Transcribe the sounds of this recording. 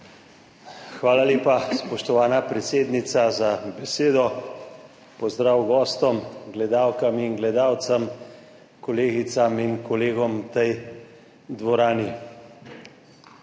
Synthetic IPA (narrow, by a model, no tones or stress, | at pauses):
xʋaːlaleːpaspɔʃt̪ɔʋaːnapɾɛt̪seːd̪nit̪sazabɛseːd̪ɔ | pɔzd̪ɾaːwɡɔːst̪ɔmɡlɛd̪aːwkaminɡlɛd̪aːwt̪sam | kɔleːɡit̪saminkɔleːɡɔmt̪ɛj | d̪ʋɔɾaːni